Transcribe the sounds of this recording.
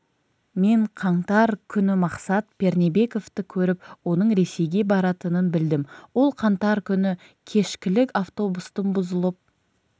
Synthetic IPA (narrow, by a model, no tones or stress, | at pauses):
me̞ɴqʰɑɴt̪ɑɾkʲʰʏnɪmɑqsɑt̪̚pe̞ɾnebe̞ko̞ft̪ɪkʲʰɵɾɪpwo̞nəɴɾe̞se̞jɡʲe̞bɑɾɑt̪ənənbɪld̪ɪmwo̞lˠqʰɑnt̪ɑɾkʲʰʏnɪ | kʲʰe̞ʃkʲɪlɪkaft̪o̞bust̪ənbʊzəlˠəp̚